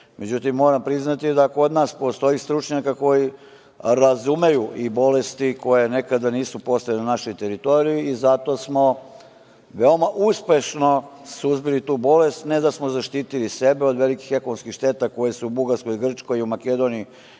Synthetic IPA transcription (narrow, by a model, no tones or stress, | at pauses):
me̞d͡ʑut̪imːo̞ːɾampɾiznat̪id̪ako̞d̪naːspo̞st̪o̞ist̪ɾut͡ʃɲakako̞ji | ɾazume̞juʔibo̞lest̪iko̞jene̞kad̪aniːsupo̞st̪ajenanaʃo̞jt̪e̞ɾit̪o̞ɾijiizat̪o̞smo̞ | ʋe̞omaʔuspe̞ʃno̞suzbilit̪uːbo̞le̞st̪ne̞d̪asmo̞zaʃt̪iːt̪ilise̞beo̞d̪ʋeliki̥xe̞konomskixʃt̪e̞ːt̪ako̞jesuːbuɡaɾskojiɡr̩t͡ʃko̞jiumake̞d̪o̞nii